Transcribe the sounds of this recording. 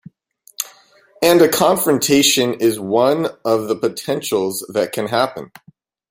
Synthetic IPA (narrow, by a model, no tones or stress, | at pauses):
ɨ̃nɨkʰɑ̃ɱfɹɨ̃ntʰeɪʃɨ̃nɪzwʌ̃nʌvðəpɨtʰɛ̃nʃl̩ˠzðɨt̚kʰɨ̃nɦæpɨ̃n